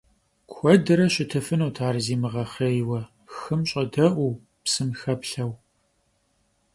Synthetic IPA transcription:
kʷʰɔdɨɾɐɕʼɪtʰɨfɨnoːtʰaːrziːmɨʁɐχeːjwɐ | xɨmɕʼɐdɐʔʷu | psɨmxɐpɬɐw

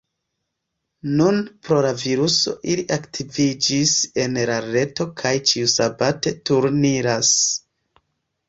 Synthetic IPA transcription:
nunpɾo̞laviɾuso̞ʔiliʔaktʰivid͡ʒise̞nlaɾe̞to̞kʰajt͡ʃiusabate̞tuɾniɾas

